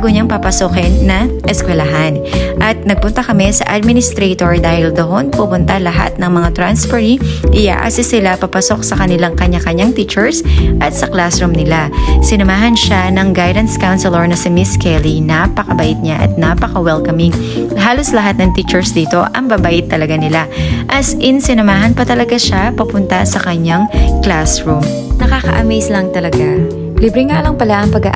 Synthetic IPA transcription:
aɡoɲaŋpɐpɐsokɛnːɐʔɛskwɛlɐɦanʔɐt̪̚nɐɡ̚pʊnt̪ɐkɐmɛsɐ̰ʔad̪̚mɪnɪst̪ɾejt̪oɹd̪aːhɪld̪ohonpumʊnt̪alɐɦa̰t̪̚nɐŋmɐŋat̪ɾanspɛɾiʔɪja̰ːʔa̰ːsɪsɪlapapɐso̞k̚sɐkɐnɪlaŋkɐɲakɐɲaŋt̪iːt͡ʃɛɹsʔɐt̪̚sɐklasɾʊmnɪlasɪnɐmaːɦɐnʃanɐŋɡajd̪ɐnt̪skawnsɛlɛɹnɐsɪmɪskɛlinapɐkɐbɐʔɪt̪̚ɲaʔɐ̰t̪̚napɐkɐwɛlkɐmɪŋ | ɦaːlo̞slɐɦat̪̚nɐŋt̪iːt͡ʃɛɹsd̪iːt̪o̞ʔɐ̰ŋbabaʔɪt̪ːɐlɐɡanɪlaʔɐsʔɪnsɪnɐmaːɦɐnpɐt̪ɐlɐɡaʃapɐpʊnt̪ɐsɐkɐɲaŋklasɹum | nɐkaːkɐ̰ʔɐ̰mɛjslɐŋt̪ɐlɐɡa | libɾɪŋaːlɐŋpɐlaʔɐŋpɐɡa̰ʔ

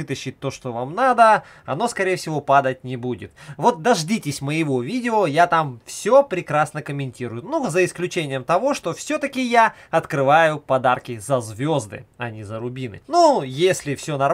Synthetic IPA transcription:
ɨt̪əɕːɪt̚ʲt̪ːo̞ʂt̪ovamnad̪ə | ɐnoskɐɾʲejfsʲɪvo̞pad̪ətʲnʲɪbudʲɪ̰t̪vo̞t̪̚d̪ɐʐdʲitʲɪsʲməjɪvo̞vʲidʲɪojat̪amfsʲopɾʲɪkɾasnəkəmʲɪnʲtʲiɾʊjʊnuzəɪsklʲʉt͡ɕenʲɪjəmt̪ɐvo̞ʂt̪o̞fsʲot̪əkʲɪjaɐt̪kɾɨvajʊpɐd̪arkʲɪzɐzvʲo̞zd̪ɨ̰ɐnʲɪzəɾʊbʲinɨ̰nujesʲlʲɪfsʲo̞nɐ

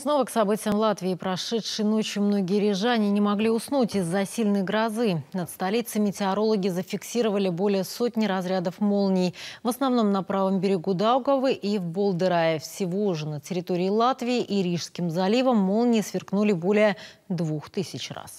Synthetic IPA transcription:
sno̞vəksɐbɨtʲɪjəmlˠat̪vʲɪːpɾɐʂɛtʂɨjno̞t͡ɕɪmno̞ɡʲɪjəɾʲɪʐanʲɪnʲɪmɐɡlʲiʊsnutʲɪzːɐsʲilʲnəjɡɾɐzɨnət̪st̪ɐlʲit̪sɨmʲɪtʲɪɐɾo̞lˠəɡʲɪzəfʲɪksʲiɾəvəlʲɪbo̞lʲɪjəsot̪ʲnʲɪɾɐzɾʲad̪əfmolˠnʲɪjvəsnɐvno̞mnɐpɾavəmbʲɪɾʲɪɡud̪awɡəvɨʔivbolˠd̪ɨɾajɪfsʲɪvoʐɨnətʲɪɾʲɪt̪o̞ɾʲɪːlˠat̪vʲɪːʔiɾʲiʂskʲɪmzɐlʲivəmːo̞lˠnʲɪjsvʲɪrknulʲɪbo̞lʲɪjəd̪vuxt̪ɨsʲɪt͡ɕra̰s

